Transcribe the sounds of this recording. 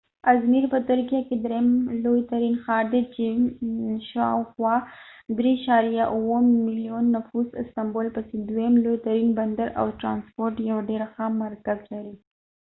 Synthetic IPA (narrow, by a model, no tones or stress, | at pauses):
azmiɾpət̪ʊɾkijaked̪ɾemlojt̪aɾinxɑɾd̪et͡ʃe | ʃawxwɑd̪ɾeʃɑɾijaʔuwəmːɪlijonːafuzɪst̪ambolpəsed̪wajemlojt̪aɾinband̪aɾʔa̰wʈɾɑnspoɾʈjawaɖeɾaxamaɾkazlaɾi